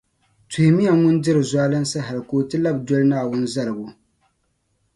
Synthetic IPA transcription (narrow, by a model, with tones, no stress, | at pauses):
tʊ˨hɪ˨mi˦a˨ŋʊ˦ndɨ˦ɾɨ˨zwa˦lɨ˦nsɨ˦ɦa˨lɨ˨koː˨tɨ˦la˦bdɔ˦lɨ˦naː˦˨wʊ˦n˦za˦lɨ˨bʊ˦